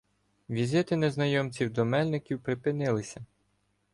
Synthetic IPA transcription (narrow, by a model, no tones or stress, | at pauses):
ʋʲizʲɪt̪ɪneznɐjɔmt͡sʲiwd̪ɔmɛlʲnɪkʲiwpɾɪpɪnɪlˠɪsʲɐ